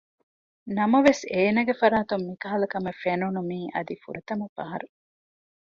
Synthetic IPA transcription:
nɐmɐʋeseːnɐɡefɐɾaːt̪umːikɐɦɐlɐkɐmɐfenunumiːʔɐ̰d̪ifṵɾɐt̪ɐmɐfɐɦɐɾu

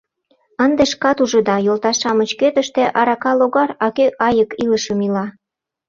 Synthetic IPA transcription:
ənd̪eʃkɑt̪uʒə̆d̪ɑjolt̪ɑʃɑmə̆t͡ɕkøt̪əʃt̪ĕʔɑɾɑkɑloɣɑrɑkøʔɑjəkiləʃəmilɑ

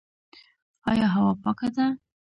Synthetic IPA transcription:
ɑjɑɦawɑpɑkad̪a

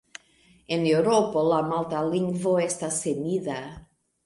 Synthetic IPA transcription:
enewɾopolamalt̪aliŋɡvoest̪asemiða

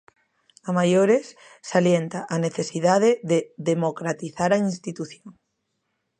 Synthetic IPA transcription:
amajoɾes | saljent̪aʔaneθesiðaðeðeðemokɾat̪iθaɾainst̪it̪uθjoŋ

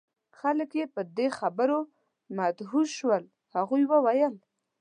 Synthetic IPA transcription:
xaləkjepəd̪exabəɾo | mad̪ɦuʃwəl | haɣujwəwajəl

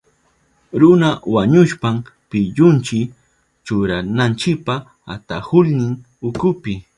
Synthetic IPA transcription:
ɾʊnawaɲʊʃpampɪʎʊnt͡ʃɪ | t͡ʃʊɾanant͡ʃɪk̚pa | a̰t̪ahʊlnɪŋ | ʊkʊpɪ

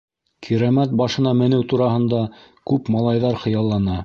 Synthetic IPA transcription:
kʰiɾæmæt̪̚bɑʃɤ̆nɑmɘ̆nɘwt̪uɾɑɦɤ̆nd̪ɑ | kʉpmɑlˠɑjðɑɾχɤ̆jɑlˠːɑnɑ

